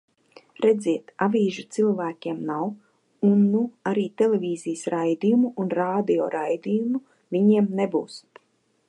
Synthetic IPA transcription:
ɾed̪zʲiɛt̪avʲiːʒut̪silˠvæːkʲiɛmnaw | unːuaɾiːt̪elevʲiːzijsɾajd̪ijumuʔːnɾaːd̪io̰ːɾajd̪ijumu | vʲiɲiɛmnebuːst̪

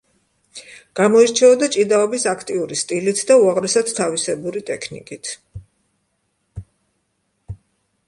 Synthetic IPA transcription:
ɡ̥amɔiɾt͡ʃʰɛɔd̪at͡ʃʼid̪aɔbisakʰt̪ʼiuɾist̪ʼilit̪ʰd̪auaʁɾɛsad̪t̪ʰavisɛbuɾit̪ʼɛkʰnḭkʼit̪ʰ

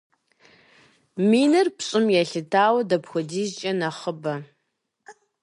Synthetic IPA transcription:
miːnɨrpʰɕʼɪmjaɬɨtʰaːwɐdɐpxʷʊdiːzt͡ʃʼɐnɐχəbɐ

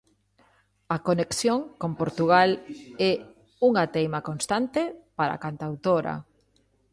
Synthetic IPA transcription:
akoneksjõŋkompoɾt̪uɣalɛ | uŋat̪ejmakonst̪ant̪epaɾa̰kant̪awt̪oɾa̰

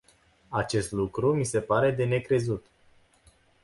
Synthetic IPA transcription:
at͡ʃe̞st̪lukɾumise̞paɾe̞d̪e̞ne̞kɾe̞zut̪

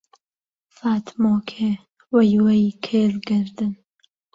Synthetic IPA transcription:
faːt̪ʰmoːkʰe | wɐjwɐjkʰeːlɡɨɾd̪ɨn

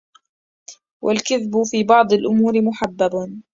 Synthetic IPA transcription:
wʔa̰lkaðbʊfiːbɑʕd̪ˤalʔʊmuːɾɪmʊħabːab

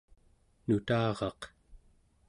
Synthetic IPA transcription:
nut̪ɑːʁɑq

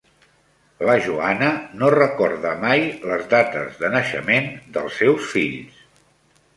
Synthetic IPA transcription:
ləʒuanənorəkɔɾðəmajləzðat̪ə̰zðənəʃə̰mend̪əlˠsːɛwsfiʎs

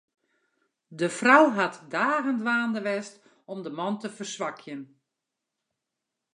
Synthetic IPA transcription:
dəfrɔwɦatdaːɣəndʋaːndəʋɛst | ɔmdəmɔntəfərsʋakʰjən

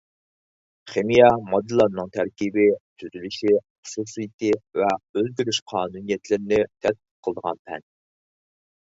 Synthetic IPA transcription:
χemijɛmɑd̪ɨlˠɑnnːɨŋt̪ʰæɾkʲibɪt̪ʰyzylyʃiχʊ̥susɨjit̪ʰɪvɛølɡʲyɾyʃqʰɑːnunijɛt̪ʰlɪɾɪnɪt̪ʰɛt̪̚qə̥t̚qʰəlˠəd̪əʁɑ̰npʰɛ̰n

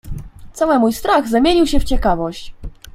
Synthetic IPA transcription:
t̪sawɘmujst̪ɾaɣzamʲjeɲiwɕɛft͡ɕɛkavɔɕt͡ɕ

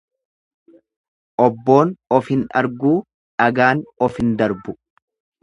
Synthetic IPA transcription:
ʔɔbːo̞ːnɔfhɪnɐ̰ɾɡuː | ᶑɐɡaːnɔfɪnd̪ɐɾbʊ

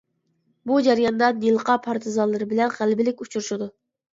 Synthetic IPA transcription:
bud͡ʒæɾjɑnd̪ɑnjilˠqʰɑpʰɑɾt̪ʰɨzɑnlˠɨɾɨbɪlɛnʁælbɪlɪk̚ʲut͡ʃʰuɾuʃud̪u

